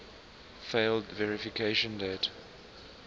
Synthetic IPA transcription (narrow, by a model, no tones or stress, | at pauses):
feɪldvɛɹɪfɪkʰeɪʃə̃ndɛt